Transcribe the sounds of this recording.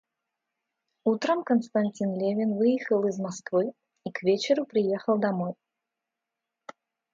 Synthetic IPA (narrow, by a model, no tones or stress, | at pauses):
ut̪ɾɐmkɐnst̪anʲt͡sʲinlʲevʲinvɨjixɐlˠizmaskvɨj | ikvʲet͡ɕɛɾupɾɨjɛxɐlˠd̪amɔj